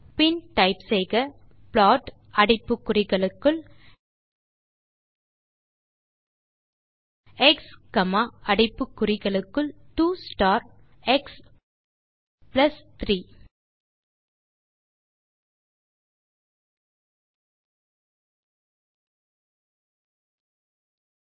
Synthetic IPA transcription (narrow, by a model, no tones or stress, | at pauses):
pɪnʈɐɪpsɛɪɣɐ | pɭaːʈ | ɐɽɪpːɯkːʊrɪɣɐɭɯkːɯɭ | ɛkskɐmaːʔɐɽɪpːɯkːʊrɪɣɐɭɯkːɯɭʈuːsʈaːɾ | ɛks | plɐst̪ɾiː